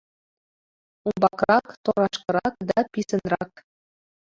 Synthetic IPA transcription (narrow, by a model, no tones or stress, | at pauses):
umbɑkɾɑkt̪oɾɑʃkɤ̆ɾɑk̚d̪ɑpisɘ̆nɾɑk